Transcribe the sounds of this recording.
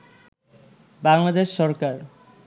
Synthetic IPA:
baŋlad̪eʃːɔɾkaɾ

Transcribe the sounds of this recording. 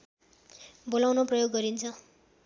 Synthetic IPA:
bolawnoprʌjoɡːʌɾint͡sʰʌ

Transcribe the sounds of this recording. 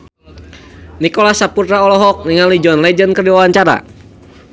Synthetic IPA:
nikɔlasaput̪ɾaɔlɔɦɔk̚niŋalid͡ʒɔnlɛd͡ʒənkərdiwawaɲt͡ʃaɾa̰

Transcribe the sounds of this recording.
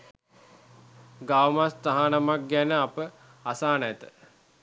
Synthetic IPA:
ɡawmast̪aɦanamak̚ɡænəapə | asaːnt̪ə

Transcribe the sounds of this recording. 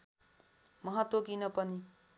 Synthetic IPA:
mʌɦʌt̪wokinʌpʌni

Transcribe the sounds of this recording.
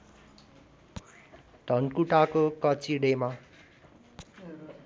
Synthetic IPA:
d̪ʱʌnkuʈakokʌt͡siɽema

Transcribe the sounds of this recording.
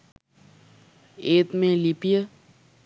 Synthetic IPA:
eːt̪mẽlipijə

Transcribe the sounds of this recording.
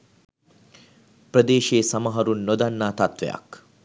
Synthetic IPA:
prəd̪eːʃeːsɐmɐɦɐɾunːod̪anːaːt̪ɐt̪ʋḛjɐ̰k

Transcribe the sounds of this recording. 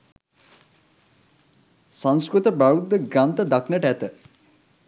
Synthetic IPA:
sãŋskɾut̪əbaɾud̪ːəɡɾant̪əd̪aknəʈəæt̪ə

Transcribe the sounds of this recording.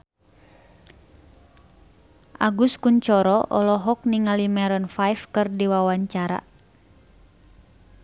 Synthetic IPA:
ʔaɡuskuɲt͡ʃɔɾɔʔɔlɔɦɔk̚niŋalimɛɾɔnfajfkɨrdiwawaɲt͡ʃaɾa̰

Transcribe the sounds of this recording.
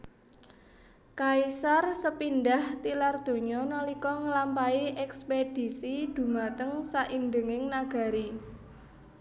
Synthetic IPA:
kaisarsəpindaht̪ilard̪̥o̤ɲɔnɔlikɔŋəlampaiʔɛksped̥i̤sid̪̥ṳmat̪əŋsaʔindəŋɪŋnaɡ̥a̤ɾi

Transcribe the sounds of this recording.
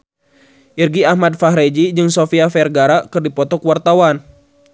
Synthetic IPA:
ʔirɡiahmad̚faɦɾɛd͡ʒid͡ʒɨŋsofiafɛrɡaɾaʔkɨrdipɔt̪ɔkwart̪awan

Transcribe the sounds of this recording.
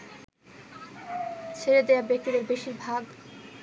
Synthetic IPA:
t͡ɕʰeɾed̪eabek̚t̪id̪eɾbeʃiɾbʱaɡ

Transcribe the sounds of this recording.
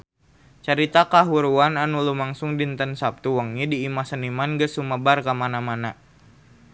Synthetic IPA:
t͡ʃəɾit̪akaɦuɾuananulumaŋsuŋdint̪ənsap̚t̪uwəŋɲidiːmasənimanɡəsuməbarkamanamana

